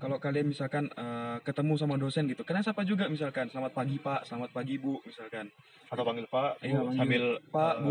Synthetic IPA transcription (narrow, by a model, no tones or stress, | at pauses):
kalokalianmisalkanəkət̪əmus̬amadosɛnɡit̪ukadaŋsapad͡ʒuɡamisalkansəlamat̪̚paɡipaʔsəlamat̪̚paɡibuʔmisalkan | sat̪apaŋɡɪlpaʔjapasŋɡabɪlpaʔbu